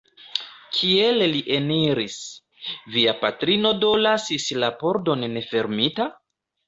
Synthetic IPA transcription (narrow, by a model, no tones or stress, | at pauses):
kʰielliʔe̞niɾis | viapatɾino̞do̞lasislapo̞ɾdo̞nːe̞fe̞ɾmita